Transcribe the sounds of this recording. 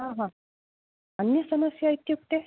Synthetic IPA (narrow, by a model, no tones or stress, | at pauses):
ɦãɦã | ənːjəsəməsjajt̪juk̚t̪e